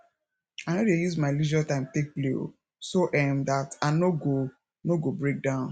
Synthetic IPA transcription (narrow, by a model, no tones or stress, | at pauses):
anodejuzmaɪlid͡ʒatãɪ̃mtek̚pleo̰ | soʔɛmdatanoɡo | noɡobɹek̚dãʊ̃n